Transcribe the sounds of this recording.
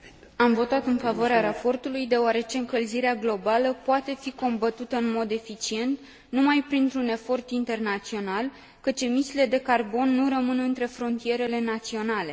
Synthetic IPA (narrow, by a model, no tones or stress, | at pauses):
amvo̞t̪at̪ɨnfavoaɾeaɾapo̞rt̪ulujd̪e̞oaɾe̞t͡ʃe̞ɨŋkəlziɾeaɡlo̞baləpoat̪e̞fiko̞mbət̪ut̪əɨnmo̞d̪e̞fit͡ʃie̞nt̪ | numajpɾint̪ɾune̞fo̞rt̪int̪e̞rnat̪sio̞nal | kət͡ʃe̞misile̞d̪e̞karbo̞nːuɾəmɨnɨnt̪ɾe̞fɾo̞nt̪ije̞ɾe̞le̞nat̪sio̞nale̞